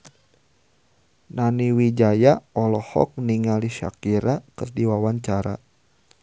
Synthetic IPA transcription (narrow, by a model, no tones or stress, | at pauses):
naniwid͡ʒajaɔlɔhɔ̰k̚niŋaliʃa̰kiɾakərdiwawaɲt͡ʃaɾa̰